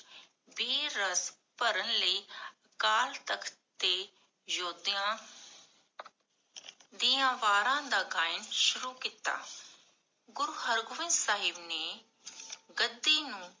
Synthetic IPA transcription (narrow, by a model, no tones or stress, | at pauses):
biːɾəs | pəɾənləiː | kaːlt̪əkʰt̪eː | joːd̪ãː | d̪iːãːʋaːɾãːd̪aːɡaːɪnʃʊɾuːkiːt̪a̰ː | ɡʊɾuːɦəɾɡʊʋɪ̃nd̪saːɦɪbneː | ɡəd̪ːiːnũː